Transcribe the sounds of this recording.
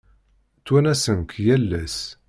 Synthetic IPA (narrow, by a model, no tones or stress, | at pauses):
t͡sːwænæsənkjælːæs